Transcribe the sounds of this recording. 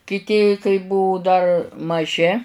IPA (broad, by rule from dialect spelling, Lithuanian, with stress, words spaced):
kʲɪˈtʲɪ kɐɪ ˈbʊʋʊ dɐr mɐˈʒʲɪ